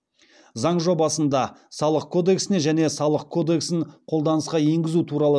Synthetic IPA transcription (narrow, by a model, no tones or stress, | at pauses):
zɑɴʒo̞bɑsənd̪ɑsɑlˠəq̚kʰo̞d̪e̞ksɪne̞ʒæne̞sɑlˠəq̚kʰo̞d̪e̞ksɪŋqʰo̞lˠd̪ɑnəsqɑje̞ŋɡʲɪzut̪ʰuɾɑlˠə